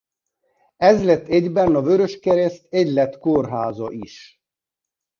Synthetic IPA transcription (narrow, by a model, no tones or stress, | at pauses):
ɛzlɛt̪ːɛɟbɛnɒvøɾøʃkɛɾɛst̪ɛɟlɛt̪korɦaːzɒʔiʃ